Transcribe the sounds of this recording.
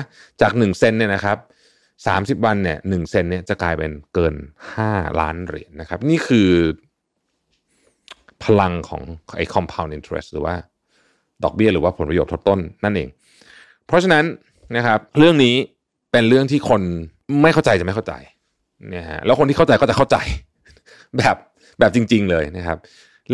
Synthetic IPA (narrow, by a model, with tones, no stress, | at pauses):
t͡ɕaː˨˩k̚nɯ˨˩ŋse˧nːi˥˩ɐna˦˥kʰa˦˥p̚ | sa̰ː˩˦msi˨˩p̚wa˧nːi˥˩ɐnɯ˨˩ŋse˧nːi˥˩ɐt͡ɕa˨˩klaː˧jpe˧nkɤː˧nhaː˥˩la̰ː˦˥nɾḭ˨˩˦ə˦nːa˦˥kʰa˦˥p̚niː˥˩kʰɯː˧ | pʰa˧la˧ŋkʰɔ̰ː˩˦ŋʔa̰˧jkʰɔ˧mpʰa˧wnʔi˧nt̪ʰḛ˦˥s̚ɾɯ̰ː˩˦waː˥˩ | dɔː˨˩k̚bi˥˩ɐɾɯː˦waː˥˩pʰo˩˦npa˧joː˨˩t̪ʰo˦˥t̪ːo˥˩nːa˥˩nʔḛː˨˩ŋ | pʰɾɔ˦˥t͡ɕʰa˧na˦˥n | na˦˥kʰa˦˥p̚ɾɯ˥˩əŋniː˦˥ | pe˧nɾɯ˥˩əŋt̪ʰiː˥˩kʰo˧n | ma˥˩jkʰa˥˩wt͡ɕa˧jt͡ɕa˨˩ma˥˩kʰwt͡ɕa̰˧j | nḭ˦˥a̰˦˥lɛː˦˥kʰo˧nt̪iː˥˩˥t͡ɕa˧jkɔː˥˩t͡ɕa˨˩a˥˩wt͡ɕa̰˧j | bɛː˨˩p̚ | bɛː˨˩p̚t͡ɕi˧ŋt͡ɕi˧ŋlɤː˧jna˦˥kʰa˦˥p̚